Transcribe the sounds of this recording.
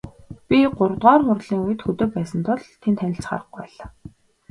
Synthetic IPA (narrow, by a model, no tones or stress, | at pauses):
pʲiɢʊɾ̆t̪ʁɔːrχʊrɮiːŋuj̆t̪xɵt̪oːpæːsə̆nt̪ʰɔɮt̪ʰːent̪ʰænʲɪ̆ɬt͡sχa̰ːrə̆χɡupæːɮaː